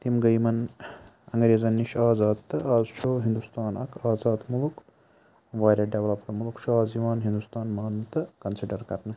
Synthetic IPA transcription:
t̪imɡɐjmɐn | ɐŋɡɾeːzɐnːiʃaːzaːd̪̚t̪ːɨʔaːzt͡ʃʰoːɦind̪ust̪aːnɐkʰaːzaːd̪muluk | ʋaːɾɐɖeʋlɐpkɐmulkʃʰuaːziʋaːnɦind̪ust̪aːnmaːnt̪ɨkɐnsiɖɐɾkɐɾnɐ

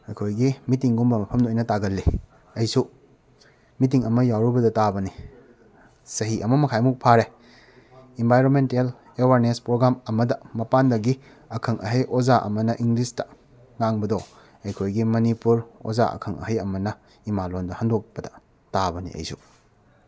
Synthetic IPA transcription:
ɐjkʰojɡimitiŋɡumbɐmɐpʰɐmdojnɐtaɡɐlːi | ɐjsu | mitiŋɐmɐjawɾubɐdɐtabɐni | sɐɦiʔɐmɐmɐkʰajmuk̚pʰaɾe | embʱajɾonmentel | ewaɾnespɾoɡɾamɐmɐdɐmɐpandɐɡi | ɐkʰɐŋʔɐɦɐjʔozaʔɐ̰mɐnɐʔiŋɡlistɐ̥ | ŋaŋbɐdɔ | ɐjkʰojɡimɐnipuɾo̰za̰ɐ̰kʰɐŋʔɐ̰ɦɐjɐmɐnɐ | imalondɐhɐndok̚bɐdɐ̥ | tabɐnḭɐ̰jsu

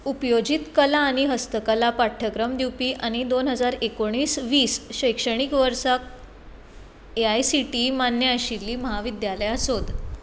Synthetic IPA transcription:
upjod͡ʑit̪kəlaːɽ̃iɦəst̪əkəlapaʈʰːəkɾəmd̪iwpiːʔaɽ̃id̪onɦəd͡zaɾekoɽ̃iːsʋiːsɕəjkʂəɽ̃ikʋəɾsak̚ | eajsiʈimanjəəɕilːiːməɦaʋid̪jaləjasod̪

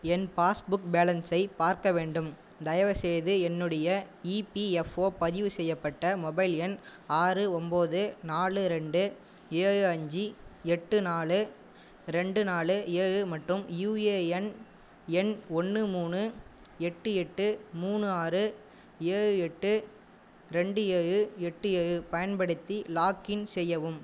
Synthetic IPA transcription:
ɛnpaːsbʊk̚beːlɐnsɐɪpaːɾkɐʋeːɳɖɯm | d̪ɐjɐʋɐsɛjðɯɛnːɯɽɐjɐ | iːpiɛfoːpɐðɪʋɯsɛjːɐpːɐʈːɐmɔbɐɪlɛnaːrɯɔmboːðɯnaːɭɯɾɛɳɖɯ | eːɻɯɐɲd͡ʒiɛʈːɯnaːɭɯ | ɾɛɳɖɯnaːɭɯeːɻɯmɐʈrɯmjuːeːɛn | ɛnɔnːɯmuːɳɯ | ɛʈːɯɛʈːɯmuːnɯaːɾɯ | eːɻɯɛʈːɯ | ɾɛɳɖɯeːɻɯɛʈːɯeːɻɯpɐjɐnpɐɽɯt̪ːilaːkɪnsɛjːɐʋɯm

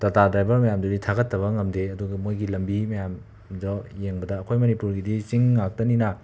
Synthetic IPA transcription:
tɐtadajbɐmɐjamdoditʰaɡɐtːɐβɐŋɐmdeɐduɡɐmojɡilɐmbimɐjam | dɔjeŋbɐdɐːkʰojmɐnipuɾɡidit͡ʃiŋːak̚tɐninɐ

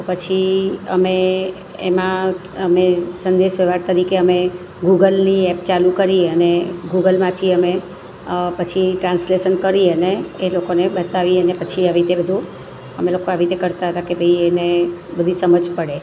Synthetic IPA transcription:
t̪opət͡ʃʰiə̰me | ḛmãəmesənd̪eʃʋeʋaɾt̪əɾikeəme | ɡuɡəlniɛp̚t͡ʃalukəɾiəneɡuɡəlmãt̪ʰiəme | pət͡ʃʰiʈɾãnsleʃənkəɾiəneːlokonebət̪aʋiənepət͡ʃʰiaʋit̪ebəd̪ʱũ | əmelokoaʋit̪ekəɾt̪aɦət̪akebʱəienebəd̪ʱisəməd͡ʒpəɽe

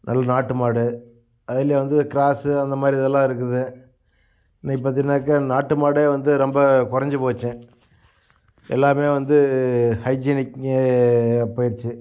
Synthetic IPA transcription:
nʔɐlːɐnaːʈːɯmaːɽɯ | ɐðɪlɐjeʋɐnd̪ɯkɪɾaːsɯɐnd̪ɐmaːdɾiɐðɛlːãːɪɾɯk̬ːɯðɯ | nɐ̃ɪp̬ːaːt̪̬iɪnːaːkːɐnaːʈːɯmaːɽeːʋɐnd̪ɯɾɔmbɐkʊɾɐɲd͡ʒɯpoːt͡ʃːɛ̃ | ɛ̰lːaːmeːʋɐnd̪ɯhɐɪd͡ʒinɪke | pːoːjɪɾt͡ʃːɯ

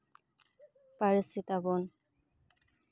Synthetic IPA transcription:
paɹisit̪abon

